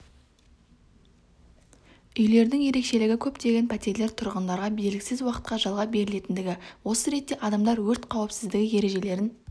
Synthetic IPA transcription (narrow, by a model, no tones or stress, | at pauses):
ʏjle̞ɾd̪ɪŋje̞ɾe̞kʃe̞lɪɡʲɪkʲʰɵpt̪e̞ɡʲe̞npʰæt̪e̞ɾle̞ɾt̪ʰʊɾʁənd̪ɑɾʁɑbelɡʲɪsɪzwɑqə̥t̪qɑʒɑlˠʁɑbe̞ɾɪle̞t̪ɪnd̪ɪɡʲɪwo̞səɾe̞t̪ːe̞ʔɑd̪ɑmd̪ɑɾwɵɾt̪qʰɑwpsɪzd̪ɪɡʲɪje̞ɾe̞ʒe̞le̞ɾɪn